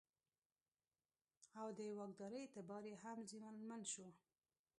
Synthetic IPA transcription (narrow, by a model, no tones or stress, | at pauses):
awd̪əjwɑɡd̪ɑɾəjt̪əbɑɾehamzimanmanʃu